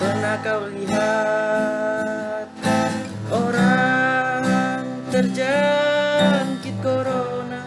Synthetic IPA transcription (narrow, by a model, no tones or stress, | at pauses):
pərnakawliɦa | t̪̚ | oɾa | ŋ | t̪ərd͡ʒa | ŋkit̪̚koɾona